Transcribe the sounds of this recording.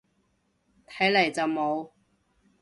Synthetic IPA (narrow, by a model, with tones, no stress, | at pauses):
t̪ʰɐ˨˥jlɐ˨˩jt͡sɐ˨wmo˨˧w